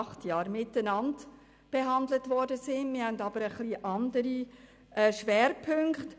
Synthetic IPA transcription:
χtjɑːɾmɪtːənɑnd | b̥eɦɑndlətvɔɾdəsɪnmɪhændɑb̥əɾəχliːʔɑndəɾi | ʔɛːʃʋɛːɾpʰøŋkχt

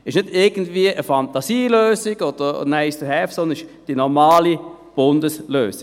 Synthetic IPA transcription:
ɪʃnɪdɪɡ̥ən̩dviəʔəfant̪ɑsiːløːsɪɡɔd̥ənɛɪstəhɛfsɔnɪʃd̥inɔʁmaːli | b̥ʊndəsløːsɪ̥

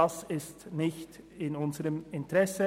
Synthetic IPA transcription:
asɪstnɪçtɪnʊnzəʁəmɪntʁɛsə

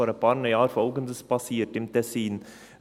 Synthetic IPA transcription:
ɔɾɛt̪̚pɑɾnəjɑːɾfɔlɡənd̪əspɑsiːɾʈ̪ɪmt̪ɛsiːn

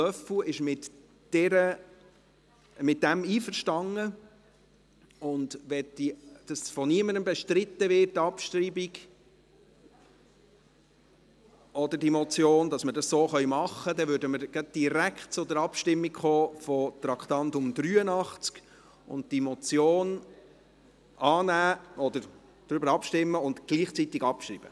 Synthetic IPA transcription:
lœfwɪʃmɪtː | ɛɾə | mɪt̚dæmiːfəɾʃtɑŋːə | ʊnd̪ʋɛd̥id̪̥ɑsfɔniəməɾəmbɛʃtɾɪt̪ːəvɪːt̚tːɑpʃtɾiːbiɡ | ɔd̪əɾdimɔt͡sjoːndɑsmədɑssoːχœʏmɑχːəd̪ɛʋʉːɾdəməɾɡ̥ɑd̚d̥iɾækχt̚t͡sʊdɛɾɑpʃtɪmːikχoːfɔt̪ɾɑkt̪ɑntʊmd̪ɾyːənɑχt͡sk | ʊ̰nt̚d̥imɔt͡sjoːn | ʔɑːnæːɔd̪əɾ | d̥ɾʏbəɾɑpʃtɪmːəʊntɡ̥liːχt͡sit̪ɪɡɑpʃɾiːb̥ə

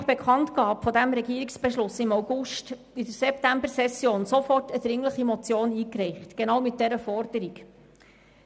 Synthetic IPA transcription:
χb̥ekʰχɑntɡɑːpfɔdæmɾɛɡiəɾɪksb̥ɛʃlʊsɪmawɡʊʃt | idəɾsɛptæmbəɾsɛsːjoːnsɔfɔrtəd̪ɾɪŋləχimɔt͡sjoːniːkɾɛɪχtɡ̥enɑwmɪt̚d̥ɛɾəfɔrd̥əɾik

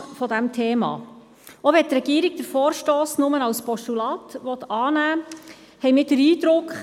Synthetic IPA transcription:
fɔd̪æmt̪ʰeːmɑ̰ː | ɔʋɛt̪ɾɛɡ̥iːɾiɡ̚d̥əɾfɔːɾʃtoːsnʊmənɑwspɔʃtulɑːt̪ʋɔt̪ɑːnæː | hɛjmɪd̥əɾiːd̥̪ɾʊkχ

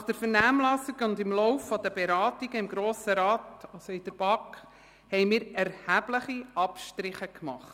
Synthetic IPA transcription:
nɑχd̥̪əɾfɛɾnæːmlɑsiɡʊndɪmlɔʊfːɔd̪əbeɾɑːtiɡəɪmɡɾoːsəɾɑːt̪ɑlsɔɪd̥əɾb̥ɑk | hɛɪmiːɾɛɾhæːb̥ləχiʔɑpʃtɾɪχəkmɑχt

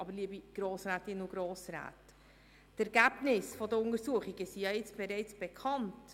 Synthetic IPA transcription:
ɑbəɾliəbiɡ̥ɾoːsɾæːtɪnuɡ̥ɾoːsɾæ̰ːt | tɛɾɡæb̥nɪsfɔdəʊnəɾsuəχiɡəsijɑjɪt͡sb̥ɛɾɛɪt͡sb̥ɛkʰɑnt

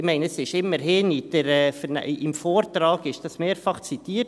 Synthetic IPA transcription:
mɛɪnəəsɪʃɪmːəɾɦɪnid̥əɾɛfənɛ̰ʔɪmfoːɾtɾɑːɡɪʃd̥ɑsmeːɾfɑχt͡sit̪iːɾt

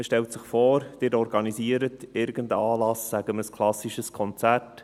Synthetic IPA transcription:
məʃtɛlt̪sɪχfɔːɾd̥ɪɾɔɾɡɑniziːəɾətɪɾɡ̥əndəɑːlɑsːæɡəməskʰlɑsiʃəskʰɔnt͡sært

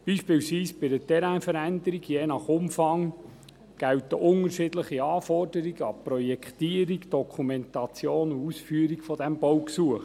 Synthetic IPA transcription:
b̥iːʃpɪlsʋiːsb̥ɪdətɛɾæfəɾændəɾiɡ̥jeːnɑχʊmfɑŋ | ɡ̥æltəʔʊŋəʃɪdləχiɑːfɔrdəɾiɡəɑpɾɔjɛkʰt̪iːəɾiɡd̥ɔkʰumɛntɑt͡sjoːnuusfyəɾiɡ̥fɔd̥æmb̥ɔwksuəχ

